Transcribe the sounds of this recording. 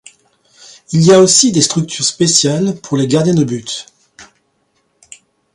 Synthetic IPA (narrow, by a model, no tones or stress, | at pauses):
iliaosid̪est̪χyk̚t̪ʰyʁspesjalpuʁleɡaʁd̪jɛ̃d̪əbyt̪